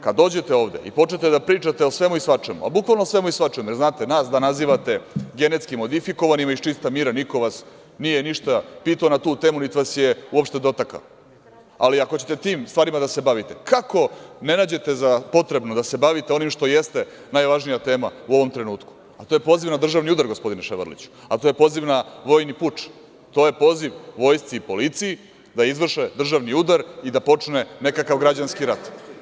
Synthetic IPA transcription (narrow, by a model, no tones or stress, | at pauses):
kad̪o̞ːd͡ʑe̞t̪e̞o̞ːʋd̪e̞̰ḭpo̞t͡ʃnet̪ed̪apɾiːt͡ʂat̪eosʋe̞muisʋat͡ʂemṵa̰bukʋalˠnosʋe̞muisʋat͡ʃemojeznaːt̪e̞naːsd̪anaziːʋat̪e̞ɡe̞net̪skimo̞d̪ifiko̞ʋanimaiʃt͡ʃist̪amiɾaniko̞ʋas | nijeniʃt̪apiːt̪aonat̪uːt̪e̞ːmunit̪iʋasje̞uo̞pʃt̪e̞d̪o̞t̪aka̰o | a̰liakot͡ɕe̞t̪et̪iːmst̪ʋaːɾimad̪asebaʋit̪ekʰako̞ne̞naːd͡ʑe̞t̪ezapo̞t̪ɾe̞bnod̪ase̞baʋit̪eo̞nimʃt̪o̞je̞st̪e | najʋaʒnijat̪e̞ːmauo̞ʋo̞mt̪ɾe̞nuːt̪ku̥ | at̪o̞ːje̞poːziʋnad̪r̩ʒaʋniud̪aɾɡospo̞d̪ineʃeʋ̰ɾlḭt͡ɕu̥ | at̪ojepo̞ːziʋnaʋo̞ːjniput͡ʂ | t̪o̞ːje̞po̞ːziʋʋo̞jst̪siipo̞lit̪siji | d̪aizʋr̩ʃed̪r̩ʒaʋniud̪aɾid̪apo̞t͡ʂne̞ne̞kakaʋɡɾad͡ʑanskiɾat̪